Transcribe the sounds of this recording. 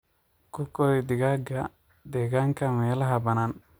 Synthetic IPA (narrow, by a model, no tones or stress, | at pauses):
kukoid̪iɡaɡa | d̪ɛɡaŋkamɛːlaɦabɐnan